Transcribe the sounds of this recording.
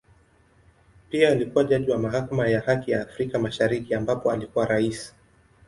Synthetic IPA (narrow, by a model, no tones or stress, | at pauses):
piaːlikuwaʄaʄiwamaɦakamajahakijaːfɾikamaʃaɾikiambapɔalikuwaɾaisi̥